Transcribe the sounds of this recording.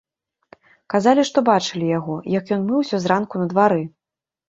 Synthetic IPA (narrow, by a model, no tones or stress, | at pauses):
kazalʲiʂt̪ɔbat͡ʂɨlʲijaɣɔjɐkjɔnmɨwsʲɔzrankunɐd̪vaɾɨ